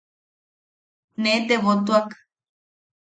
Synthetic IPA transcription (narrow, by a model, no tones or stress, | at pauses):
nẽt̪eβot̪uak